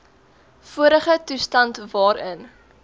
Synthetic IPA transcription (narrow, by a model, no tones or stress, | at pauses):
fuəɾəχətustɐntvɑːɾən